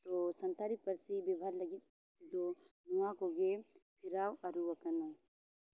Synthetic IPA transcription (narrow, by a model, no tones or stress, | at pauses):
t̪osɐ̃nt̪ʰaɾipɐɾsibibʱaɾlɐɡit̪ | d̪onuãkoɡepʰɪɾaːwɐɾuʋəkɐna